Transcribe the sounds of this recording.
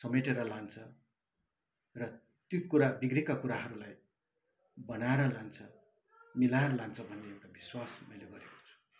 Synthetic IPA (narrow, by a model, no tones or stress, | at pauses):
sʌmeʈeɾʌlant͡sʰʌ | rʌ | t̪jukuɾabiɡrekakuɾaɦʌɾulaj | bʌnaeɾʌlant͡sʰʌ | milaeɾʌlant͡sʰʌbʱʌnːeewʈabiswasmʌjleɡʌɾeko̥t͡sʰu̥